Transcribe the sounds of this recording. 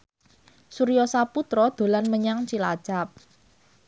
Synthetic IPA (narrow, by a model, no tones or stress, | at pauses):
suɾijɔsaput̪ɾɔd̪̥o̤lanməɲaŋt͡ʃilḁt͡ʃap̚